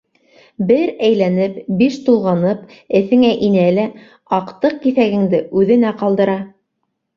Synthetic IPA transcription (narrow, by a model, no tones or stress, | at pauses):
bɘɾæjlænɘpbiʃt̪ulˠʁɑnɤp | ɘ̆θɘ̆ŋæʔinælæ | ɑqt̪ɤq̚kiθæɡɘ̆ŋd̪ɘʔʉðɘ̆næqɑlˠd̪ɤ̆ɾɑ